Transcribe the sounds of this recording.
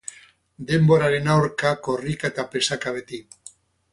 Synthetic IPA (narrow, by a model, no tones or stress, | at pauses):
d̪e̞mboɾaɾenawɾkakorikaet̪apesakaβ̞et̪i